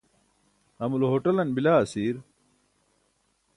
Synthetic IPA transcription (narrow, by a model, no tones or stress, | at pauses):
ɐmulɦoːʈɐlɐnbilaːɐsiːɾ